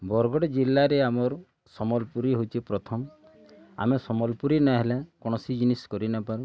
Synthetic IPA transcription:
bɔɾɡɔɽɔd͡ʒilːaɾeamɔɾ | sɔmɔlpuɾiɦot͡ʃʰipɾɔt̪ʰɔm | a̰mesɔmɔlpuɾinaɦelekɔɽ̃ɔsid͡ʒiniskɔɾinapaɾu

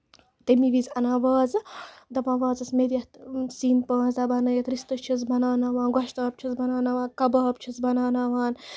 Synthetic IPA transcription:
t̪emiʋizɐnaːʋaːzɨd̪ɐbãːʋaːzɐsmed̪ʲjɐt̪siːnpãːzd̪ɐbanɐjɐt̪ɾist̪ɐt͡ʃʰizbɐnaːnaʋaːnɡɐʃt̪aːp̚t͡ʃʰizbɐnaːnaːʋaːnkɐbɐːpt͡ʃʰizbɐnaːnaːʋaːn

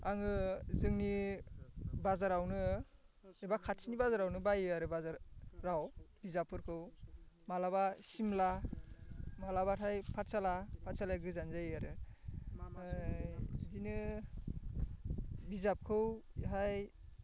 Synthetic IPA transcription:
aŋɯzɯŋni | bazaɾawnɯ | ebakʰatʰinibazaɾawnɯbajɯaɾɯbazaɾɾawb̥izapʰːɯɾkʰɯwmalabasimla | malabatʰajpʰatsalapʰat̚salajɡɯzanzajaɾɯ | zinɯ | bizap̚kʰɯwɦaj

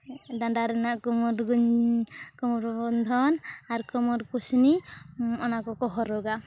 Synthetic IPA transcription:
daɳɖaɾɛnaʔkɔmɔɾɡɲkɔmɔɾbɔnd̪ʱɔnaɾkɔmɔɾkusniɔnakɔkɔɦɔɾɔɡa

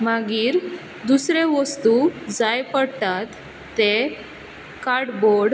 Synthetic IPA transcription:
maɡiːɾ | d̪usɾeʋəst̪ud͡zajpəɽp̪at̪ː | e | kaɾɽboɽ

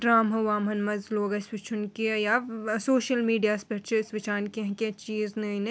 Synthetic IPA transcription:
ɖɾaːmɦɐʋaːmɐnmɐzloːɡɐsʋɪt͡ʃʰʊnkijasoːʃəlmiːɖijaːspɐɾt͡ʃʰeɪsʋɪt͡ʃaːnkeɦkt͡ʃiːznɐɦĩnɐ

